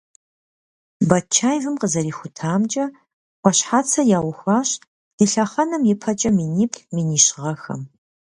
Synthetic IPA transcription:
bɐt͡ʃʰaːjvɨmqəzɐɾiːxʷʊtʰaːmd͡ʒʼɐ | qʷɔɕħaːt͡sʰɐjaːwʊxʷɑːɕ | d̥iːɬɐχɐnɐmjɪpʰɐt͡ʃʼɐminiːpʰʼminiːʃʁɐxɐ̰m

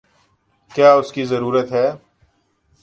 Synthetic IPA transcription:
kjaːʊskizəɾuːɾət̪ɦɛː

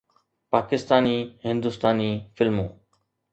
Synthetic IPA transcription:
paːkɪst̪aːniːhɪ̃nd̪ʊst̪aːniːfɪlmũː

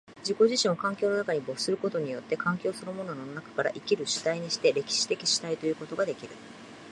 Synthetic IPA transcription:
d͡ʑiko̞ʑiɕĩɰ̃o̞kãŋkʲo̞ːno̞nakaɲ̟ibo̞ɯ̥sɨɾɯ̟ko̞t̪o̞ɲ̟ijo̞t̪ːe̞kãŋkʲo̞ːsɨnomo̞no̞nonakḁkaɾa̰ʔikʲiɾɯ̟ɕi̥t̪aiɲ̟iɕi̥t̪e̞ɾe̞kʲi̥ɕi̥t̪e̞kʲi̥ɕi̥t̪ait̪o̞jɯ̟ːko̞t̪o̞ɡad̪e̞kʲiɾɯ̟

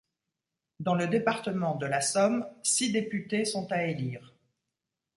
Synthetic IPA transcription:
d̪ɑ̃ləd̪epaʁt̪əmɑ̃d̪əlasɔmsid̪epyt̪esɔ̃t̪aeliːʁ

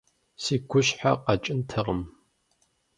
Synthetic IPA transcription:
siːɡʷʊɕħa̰qɐt͡ʃʼɪntʰɐʁəm

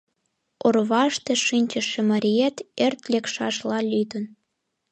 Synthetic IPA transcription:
orβɑʃt̪eʃinʲt͡ɕəʃĕmɑɾʲiet̪ert̪lʲekʃɑʃlɑlʲyd̪ən

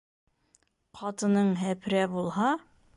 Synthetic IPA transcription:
qʰɑt̪ɤ̆nɤɴɦæpɾæbulˠɦɑ

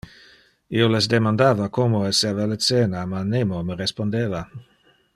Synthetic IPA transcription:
ioles̬d̪emand̪aːvakomoesevalət͡seːnamanemoməɾespond̪eːva

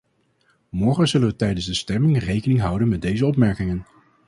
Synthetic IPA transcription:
mɔɹχənzɵlənʋətɛjdənzdəstɛmɪŋrejkənɪŋɦʌwdənmɛt̚dejzəɔpmɛɹkɪŋən

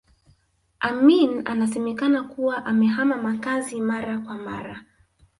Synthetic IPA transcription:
ʔaminanasɛmɛkanakuwaʔamɛɦamamakazimaɾakwama̰ɾa

